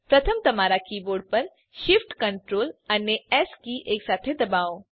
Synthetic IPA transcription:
pɾɐt̪ʰəmt̪ɐmaːɾakiːboːɾɖ̚pɐɾ | ʃɪfʈkɐ̃ɳʈɾoːlɐnːeɛːskiːʔeːksaːt̪ʰed̪ɐbaːõ

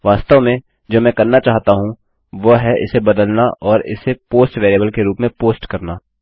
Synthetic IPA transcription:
ʋaːst̪əʋmẽ | d͡ʒoːmɛ̃ːkɐɾnat͡ʃaːɦt̪aɦũ | ʋoɦɛʔɪ̰sebɐd̪əlnaʔɔːɾɪ̰sepoːsʈʋeːɾeːbəlkeɾuːpmẽpoːsʈkɐɾnaː

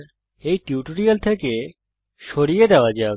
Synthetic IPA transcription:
ɾ | ejʈiuʈoɾijalt̪ʰeke | ʃoɾijed̪eoad͡ʑa

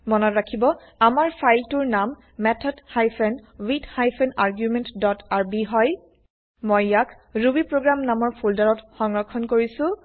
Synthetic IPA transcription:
mɔnɔtɹakʰibɔ | amaɹpʰajltuɹnamː | ɛtʰɔdhajpʰɛnwithajpʰɛnaɹɡjumɛntdɔtaɹbiɦɔj | mojːak | ɹubipɹoɡɹamnamɔɹpʰuldaɹɔtxɔŋɹɔkʰːɔnkoɹisʊ̃

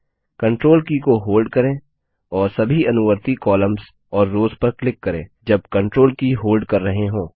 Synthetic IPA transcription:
kɐ̃ɳʈɾoːlkikoɦoːlɖ̚kɐɾẽː | ɔːɾsɐbʱiɐnʊʋəɾt̪ikɔːlə̃mz | ɔːɾːoːzpɐɾklɪkːɐɾẽːd͡ʒɐb̚kɐ̃ɳʈɾoːlkiɦoːlɖkɐɾːɐɦẽɦõː

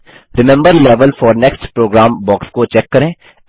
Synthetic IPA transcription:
ɾɪmɛ̃mbəɾlɛʋəlfɔːɾnɛksʈpɾoːɡɾãːmbɔːkskot͡ʃɛkːɐɾẽː

